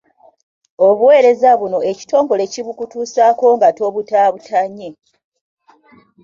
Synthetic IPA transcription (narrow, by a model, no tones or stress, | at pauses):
o̞βuwe̞ːɾe̞zaβuno̞e̞ci̥to̞ːŋɡo̞le̞ciβukutuːsaːko̞ŋɡato̞βutaːβutʰaɲːe̞